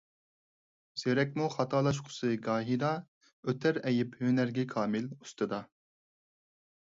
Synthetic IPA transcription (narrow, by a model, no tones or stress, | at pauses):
z̥eɾɛkʲmuχɑt̪ʰɑːlˠɑʃ̬qʰʊ̥sɨɡɑːɦiɾɑ | øt̪ʰæɾɛjɪphønæɾɡʲɛkʰɑːmɪlu̥st̪ɨd̪ɑ